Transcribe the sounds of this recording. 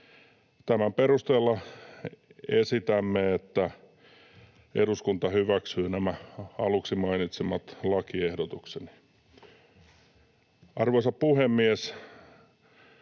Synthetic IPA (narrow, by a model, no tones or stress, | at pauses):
t̪æmæmperust̪eːlːɑ | esit̪æmːeet̪ːæ | eɾuskunt̪ɑhyʋæksyːnæmæɑluksimɑinit̪semɑt̪lɑkiehdot̪ukseni̥ | ʔɑrʋoisɑppuhemːies